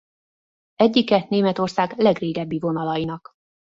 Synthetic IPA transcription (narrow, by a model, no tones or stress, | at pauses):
ɛɟːikɛneːmɛt̪o̞rsaːɡlɛɡreːɡɛbːivo̞nɒlɒjinɒk